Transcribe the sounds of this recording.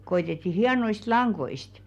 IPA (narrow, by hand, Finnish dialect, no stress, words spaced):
koitetːi hiɑnoist lɑŋɡ̊oist